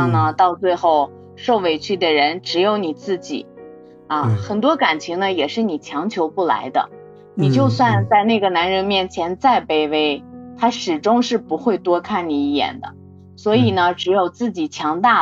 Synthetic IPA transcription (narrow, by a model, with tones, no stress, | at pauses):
ŋnə˧t̪ɑ˥˧ʊt͡swe˥˧ɪxo˥˩ʊ | ʂo˥˩ʊwe˧˩ɪt͡ɕʰy˥˩d̪ə˩ɻə˧˥nʈ͡ʂɻ̩˧˥jo˧˥ʊni˨˩t͡sɹ̩˥˩t͡ɕḭ˨˩˦ | ɐ˥˧xə˨˩nt̪wɔ˥ka˨˩nt͡ɕʰi˧˥ŋnə˧jɛ˨˩ʂɻ̩˥˩ni˨˩t͡ɕʰjɑ˧˥ŋt͡ɕʰjo˧˥ʊpu˥˩la̰˧˥ɪd̪ə̰˧ | ni˨˩t͡ɕjo˥˧ʊswa˥˧nt͡sa˥˧ɪna˥˩ɡə˩na˧˥nɻə˧˥nmjɛ˥˩nt͡ɕʰjɛ˧˥nt͡sa˥˧ɪpe˥˧ɪwe˥˩ɪt̪ʰa˥ʂɻ̩˨˩ʈ͡ʂʊ˥ŋʂɻ̩˥˩pu˧˥xwe˥˩ɪt̪wɔ˥kʰa˥˩nni˨˩i˥˩jɛ̰˨˩nd̪ə̰˦ | swɔ˧˥i˨˩nə˦ʈ͡ʂɻ̩˧˥jo˨˩ʊt͡sɹ̩˥˩t͡ɕi˨˩t͡ɕʰjɑ˧˥ŋt̪a˥˩